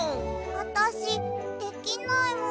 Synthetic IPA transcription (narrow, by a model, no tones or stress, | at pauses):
ɑt̪ɑsit̪ekːinnɑemu